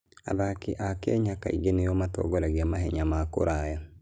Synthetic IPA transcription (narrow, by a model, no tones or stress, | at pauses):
a̰ðakiʔakɛɲaka̰ḭɡenejɔmatɔ̰ɡɔɾaɣiamaɦɛɲamako̰ɾaja